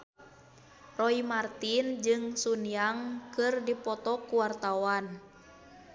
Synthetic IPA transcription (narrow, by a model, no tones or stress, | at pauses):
rɔimart̪ind͡ʒɨŋsunijaŋkɨrdipɔt̪ɔkuwart̪awan